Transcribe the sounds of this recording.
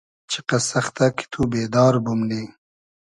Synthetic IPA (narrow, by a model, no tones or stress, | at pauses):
t͡ʃʰiqɐsɐxt̪aki̥t̪ʰubeːd̪ɑːɾbumniː